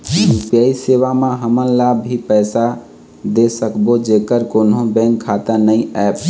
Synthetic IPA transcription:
mupjaiseβamẽɦəmənlabʱɦipəɪsa | d̪esəkbod͡ʒekəɾkonõbɛ̃ŋkʰːat̪ənəĩɛp

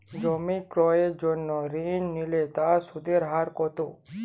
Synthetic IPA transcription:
d͡ʒɔmikɾɔed͡ʒɔnːɔɾinːilet̪asud̪eɾɦaɾkɔt̪o

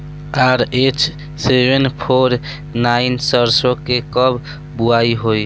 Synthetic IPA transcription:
aɾet͡ʃ | sebenpʰoɾ | nainsəɾsokːekəb | buaiɦoj

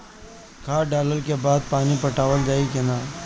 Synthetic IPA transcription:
kʰaːɖaːləlkebaːd̪̚paːnipɐʈaːʋəld͡ʒaːikenaː

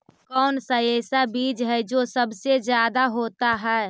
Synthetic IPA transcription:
kɔːnsəjeːsabiːd͡ʒɦɛd͡ʒoːsəbsed͡ʒjaːd̪aɦoːt̪aɦɛː

